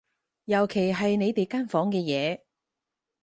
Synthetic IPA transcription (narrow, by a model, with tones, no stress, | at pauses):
jɐ˨˩wkʰe˨˩jɦɐ˨jne˨˧jt̪e˨jkaː˥nfɔː˨˥ŋkɛː˧jɛː˨˧